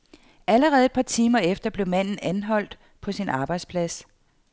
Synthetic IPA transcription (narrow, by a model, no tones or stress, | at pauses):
ʔæləʁɛːð̩ˠed̥pʰɑ̈t͡sʰiːmɐefd̥ɐb̥le̝ʊmæn̰n̩ænɦɒ̽l̰d̥ | pʰɒ̽sinɑ̈ːb̥ɑ̈ɪd̥spʰlæs